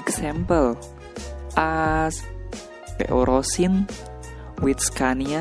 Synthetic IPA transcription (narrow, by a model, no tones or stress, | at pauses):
ksɛmpəl | ʔas | bɛ̰ʔoɾɔsɪn | wit̪̚skania